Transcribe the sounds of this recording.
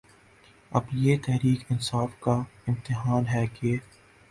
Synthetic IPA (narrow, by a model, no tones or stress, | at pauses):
ɐ̰bjeːt̪ɛɦɾiːkɪnsaːfkaɪ̃mt̪ɪɦaːnɦɛːke